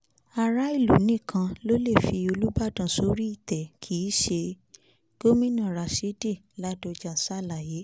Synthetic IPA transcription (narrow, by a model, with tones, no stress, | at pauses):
a˧˨ɾa˦i˦˨lu˨nĩ˦˨kʰã˧lo˦le˦˨fi˧o˧lu˦ba˦˨dã˦˨so˨˦ɾi˦i˦˨tɛ˨kʰi˨˦ʃe˧ | ɡ̥o˦mĩ˦nã˦˨ɾa˨si˨˦di˦˨ | la˨˦do˧d͡ʒa˨sa˦˨la˨je˨˦